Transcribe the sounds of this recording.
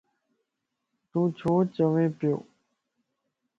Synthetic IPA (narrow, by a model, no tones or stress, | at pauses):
t̪ũːt͡ɕʰoːt͡ɕəʋẽːpjo̰ː